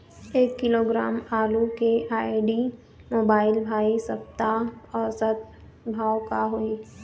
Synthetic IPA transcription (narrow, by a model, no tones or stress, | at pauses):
eːkːɪloːɡɾaːmaːlukeʔaːiɖiː | moːbaːɪlbʱaːisɐp̚t̪aɔːɾsət̪̚ | bʱaːwkaɦoi